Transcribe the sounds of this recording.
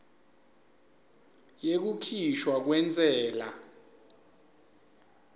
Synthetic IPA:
jek̬ukʰiʃwak̬wɛnt͡sʼɛːla

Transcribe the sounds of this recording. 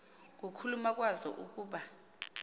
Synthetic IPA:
k̬ʼukʰulumak̬ʼwazɔ̰ʔuk̬ʼuːɓa

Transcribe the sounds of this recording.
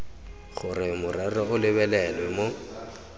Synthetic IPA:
ɣʊrɪmʊrɛrɔʊlɪβɛlɛlwɛmo

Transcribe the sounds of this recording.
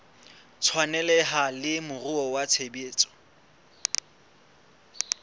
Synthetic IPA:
t͡sʰwanɛlɛɦalɪmʊrʊɔwat͡sʰebeːt͡sʼɔ̥

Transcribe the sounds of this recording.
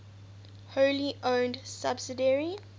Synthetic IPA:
hoʊliʔõʊndsabsɪdəɹi

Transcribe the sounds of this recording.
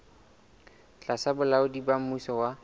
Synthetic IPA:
t͡ɬʼasabʊlaʊdibam̩musɔwa

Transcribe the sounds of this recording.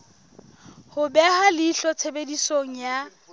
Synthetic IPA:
hʊbɛhalɪːɬɔt͡sʰebedisoŋ̩ja

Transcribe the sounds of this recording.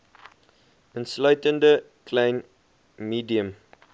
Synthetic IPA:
ə̃nslajtəndə | kʰlẽɪn | miːdiəm

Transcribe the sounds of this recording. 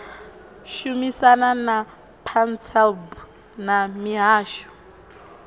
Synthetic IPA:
ʃumisanana | pʰant͡sɛlbu | namiɦaːʃɔ̥

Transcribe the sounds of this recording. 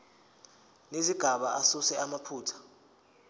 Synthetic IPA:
neziɡ̥ʱaɓaʔasusɛamapʰuːtʰḁ

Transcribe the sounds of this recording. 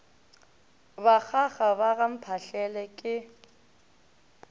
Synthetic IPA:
bak͡xʰaχabaɣam̩pʰaɬɛlɛkʼɪ

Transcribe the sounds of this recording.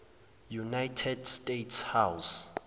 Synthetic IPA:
junajtʰɛdstʼetʰshaws

